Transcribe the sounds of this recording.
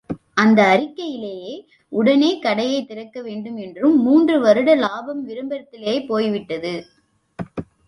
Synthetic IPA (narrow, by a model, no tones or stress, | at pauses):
ʔɐnd̪ɐːrɪkːɐjɪleːjeː | ʊɽɐneːkɐɽɐjɐɪt̪ːɪɾɐkːɐʋeːɳɖɯmɛndrɯmːuːndrɯʋɐɾɯɽɐlaːbɐmʋɪɾɯmbɐɾɐt̪ːɪlɐjɐɪpːoːjʋɪʈːɐðɯ